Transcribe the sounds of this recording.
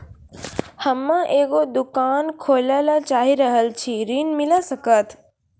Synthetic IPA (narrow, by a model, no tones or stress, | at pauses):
həmːãʔeːkod̪ʊkaːnkʰoːlalat͡ʃaːɦiɾəɦəlt͡ʃʰiɾiːnmɪlasɐkət̪